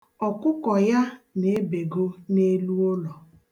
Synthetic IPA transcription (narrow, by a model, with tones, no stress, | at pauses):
ɔ˨kʊ˦kɔ˨ja˦ne˨˦be˨ɡo˦ne˦lu˦o˦lɔ˨